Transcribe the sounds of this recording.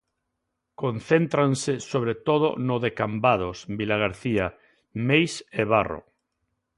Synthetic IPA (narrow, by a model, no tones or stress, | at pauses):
konθent̪ɾansesoβ̞ɾet̪oð̞o̰noðekambað̞osbilaɣ̞aɾθia | mejseβaro̰